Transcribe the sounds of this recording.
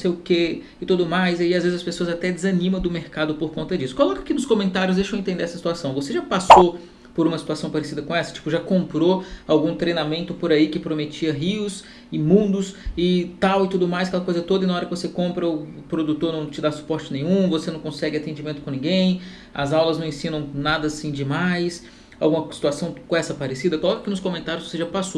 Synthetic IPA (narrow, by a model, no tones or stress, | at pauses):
nõsejʊke | ɪt̪ud̪ʊmajziaiazvezɪzɐspesoɐzat̪ɛd͡ʒɪzɐnĩmɐ̃d̪ʊmeɾkad̪ʊpoɾkõnt̪ɐd͡ʒisʊ̥kolɔkakinʊskõmẽnt̪aɾjʊzd̪ejʃɐ̃w̃ẽnt̪ẽnd̪eɛsɐsi̥t̪uasɐ̃w̃voseʒapaso | poɾũmɐsi̥t̪uasɐ̃w̃paɾesid̪ɐkõɛsɐ̥t͡ʃi̥pʊʒakõmpɾoawɡũt̪ɾejnamẽnt̪ʊpoɾaikɪpɾomet͡ʃiɐɦiʊs | ɪmũnd̪ʊsɪt̪awɪt̪ud̪ʊmajsakɛlɐkojzɐt̪od̪ɐɪnɐaɔɾɐkɪvosekõmpɾɐʊpɾod̪ut̪oɾnɐ̃w̃t͡ʃɪd̪asu̥pɔɾt͡ʃɪnẽɲ̃ũvosenɐ̃w̃kõsɛɡɪat̪ẽnd͡ʒimẽnt̪ʊkõnĩɡẽj̃ | ɐ̰zawlɐznɐ̃ẽsĩnɐ̃w̃nad̪ɐːsĩd͡ʒɪmajs | awɡũmɐsi̥t̪uasɐ̃w̃kõɛsɐpaɾesid̪ɐkolɔkɐkinʊskõmẽnt̪aɾjʊzvoseʒapaso